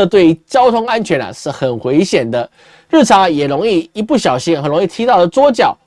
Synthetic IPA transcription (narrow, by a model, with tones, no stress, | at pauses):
ə˧t̪we˥˩ɪy˧˥t͡ɕjɑ˥ʊt̪ʰʊ˥ŋa˦nt͡ɕʰɥɛ˧˥nɐ̰˨ʂɻ̩˥˩xə˨˩nxwe˧˥ɪɕjɛ˨˩nd̪ə˦ | ɻ̩˥˩ʈ͡ʂʰɑ˧˦ŋ˧jɛ˨˩ɻo˧˥ŋi˥˨i˧˥pu˥˩ɕjɑ˨˩ʊɕi˧˥ŋxə˨˩nɻo˧˦ŋi˥˩t̪ʰi˧˥t̪ɑ˥˨˩ʊd̪ə˩t͡swɔ˥t͡ɕjɑ˥˩˦ʊ